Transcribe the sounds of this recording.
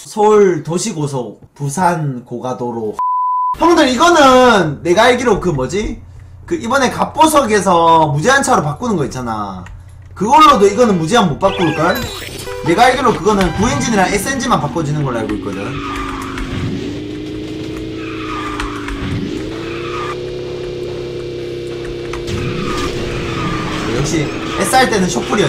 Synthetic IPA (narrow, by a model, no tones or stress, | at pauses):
sʰouɭtoɕʰiɡosʰʌ | pusʰankoɡadoɾosʰʌŋɡʌndɯɾiɡʌnɯnːe̞ɡaaɭɡiɾokɯmʌd͡ʑi | kɯʔibʌne̞kap͈osʰʌɡe̞s̬ʰʌmud͡ʑiɦant͡ɕʰaɾopak͈unɯnɡʌit͡ɕ͈ana̰ | kɯɡʌɭːodoiɡʌnɯnmud͡ʑiɦanmop͈ak͈oik͈ɾane̞ɡaiɭɡeɾokɯɡʌnɯnkuind͡ʑiniɾanes͈end͡ʑimanpak͈ʌd͡ʑinɯnɡʌɾɯɭaɭɡoik͈ʌd͡ʑeo | ejʌk̚ɕ͈i | es͈aɭt͈e̞nɯnɕʰok̚p͈uɾiʌ